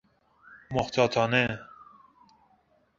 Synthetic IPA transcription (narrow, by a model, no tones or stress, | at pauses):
moxt̪ʰɑt̪ʰɑːne